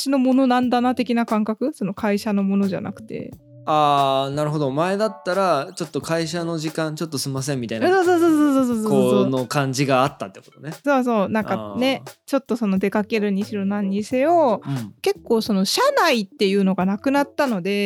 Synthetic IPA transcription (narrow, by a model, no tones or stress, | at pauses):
ɕino̞mo̞no̞nãnd̪anat̪e̞kʲinakãŋkakɯ̟so̞no̞kʰaiɕano̞mo̞no̞ʑa̰na̰kɯ̟̥t̪e̞̰ | aːnaɾɯ̟ɦo̞d̪o̞mae̞d̪at̪ːaɾat͡ɕo̞t̪ːo̞kʰaiɕano̞ʑikãɲt͡ɕo̞t̪ːosɨmas̬ẽ̞mːʲit̪ainsoːsoːsoːsoːsoːsoːsosonokãɲ̟d͡ʑiɡaːt̪ːat̪ːe̞ko̞t̪one̞so̞ːs̬o̞ːnãŋkane̞t͡ɕo̞t̪ːo̞so̞no̞d̪e̞kake̞ɾɯ̟ɲ̟iɕiɾonaɲ̟ːise̞o̞ke̞kːo̞ːso̞no̞ɕanait̪ːe̞jɯ̟ːno̞ɡanakɯ̟nat̪ːano̞d̪e̞